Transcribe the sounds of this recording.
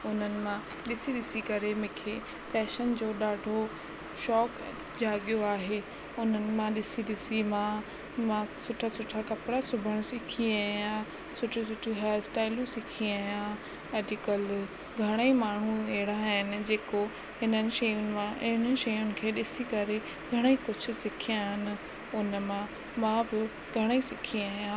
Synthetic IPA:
ʊn̤ənɪ̆mã | ɗɪsiɗɪsikɐɾemʊ̃ːkʰeː | fɛːʃənd͡ʑoːɗaːɖʱo | ʃɔːk | d͡ʑʱaːɠijoaːɦe | ʊn̤ənɪ̆mãɗɪsiɗɪsimãː | mãsʊʈʰasʊʈʰakɐpɽasʊbʱəɽ̃sɪkʰiaːjã | sʊʈʰusʊʈʰuɦɛːlsʈaːɪlũsɪkʰiaːijã | ɐd͡ʑikəl | ɡʱɐɽ̃əimaːɳ̤ueɪɽ̃aɦɪnɪ̆d͡ʑeːko | ɦɪnənɪ̆ʃɐjʊnɪ̆mãɪɦɪnəɪ̆ʃɐjʊnɪ̆kʰeːɗɪsikɐɾe | ɡʱɐɽ̃eikʊd͡ʑʱʰʊ̆sɪkʰiaːɦɪnɪ̆ | ʊnmã | mãbɪ | ɡʱɐɽ̃eisɪkʰiaːjã

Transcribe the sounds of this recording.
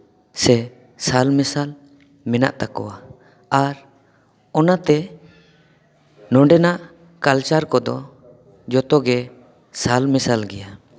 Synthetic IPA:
sɛ | salmɛsal | mɛna̰ʔt̪akɔ̰wa | aɾ | ɔnat̪ɛ | nɔɳɖɛnaʔ | kalt͡ʃaɾkɔd̪ɔ | d͡ʒɔt̪ɔɡɛ | salmɛsalɡɛja

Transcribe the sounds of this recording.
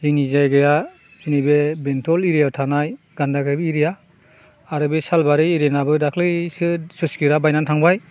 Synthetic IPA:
ziŋnizajɡɯja | z̥inibebentʰɔliɾijawtʰanaj | ɡ̥andaɡajbɯiɾijaː | ɾɯbesalbaɾiiɾenabɯdakʰlɯsɯsɯskiɾabajnantʰaŋbaj

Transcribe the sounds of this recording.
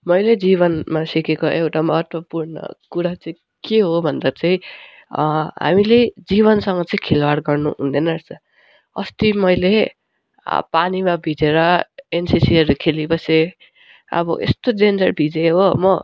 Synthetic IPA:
mʌjled͡ziβʌnmasikekoʔewʈamʌɦʌt̪wʌpurnʌ̰kuɾat͡sʌĩ | keɦobʱʌnd̪ʌt͡sʌĩ | ɦa̰miled͡ziβʌnsʌŋɡʌt͡sʌĩkʰelwaɽɡʌrnṵɦṵ̃nd̪enʌɾt͡sʌ | ʌ̰st̪imʌjle | panimabʱid͡zeɾʌensisiʌɾukʰelibʌse | ʌ̰bʌ̰ʔḛst̪odend͡zʌrbʱid͡zeɦomʌ

